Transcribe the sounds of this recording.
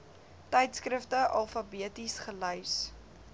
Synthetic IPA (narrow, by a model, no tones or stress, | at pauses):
tɛjtskrəftəʔɐlˠfɐbiətisχəlœɥs